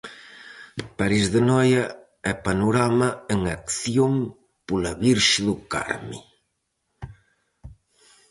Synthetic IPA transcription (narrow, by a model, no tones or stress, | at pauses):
paɾizðenɔjɐ | ɛpanuɾamaeŋakθjom | pulaβiɾʃðʊka̰ɾmḭ